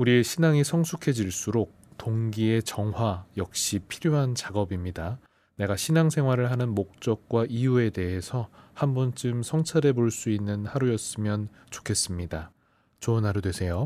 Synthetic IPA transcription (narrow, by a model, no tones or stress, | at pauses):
uɾie̞ɕʰinaŋisʰʌŋsʰukʰe̞d͡ʑiɭs͈uɾok̚toŋɡie̞t͡ɕʌŋɦwajʌk̚ɕ͈ipʰiɾjoɦant͡ɕaɡʌbimɲida | ne̞ɡaɕʰinaŋsʰe̞ŋwaɾɯɭɦanɯnmok̚t͡ɕ͈ʌk̚k͈waʔijue̞de̞ɦe̞sʰʌhambʌnt͡ɕɯmsʰʌŋt͡ɕʰaɾe̞boɭs͈uinːɯnhaɾujʌs͈ɯmjʌn | t͡ɕo̥kʰe̞s͈ɯmɲida | t͡ɕʌnaɾudwe̞sʰe̞jo